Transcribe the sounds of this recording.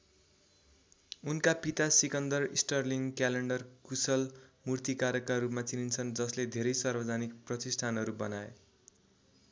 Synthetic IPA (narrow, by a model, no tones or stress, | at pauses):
unkapit̪asikʌnd̪ʌrisʈʌrliŋkaleɳɖʌrkusʌlmurt̪ikaɾʌkarupmat͡sinint͡sʰʌnd͡zʌsled̪ʱeɾʌjsʌrbʌd͡zʱanikprʌt̪isʈʰanɦʌɾubʌnae